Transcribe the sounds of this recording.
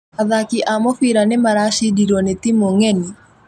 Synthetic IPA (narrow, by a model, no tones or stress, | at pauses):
aðakɪʔamɔfiɾanɪmaɾaʃidiɾonet̪imoŋeni